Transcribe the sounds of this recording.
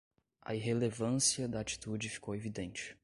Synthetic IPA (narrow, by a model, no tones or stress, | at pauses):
ɐ̰iɦelevɐ̃siɐd̪ɐat͡ʃi̥t̪ud͡ʒɪfi̥kowevid̪ẽnt͡ʃɪ̥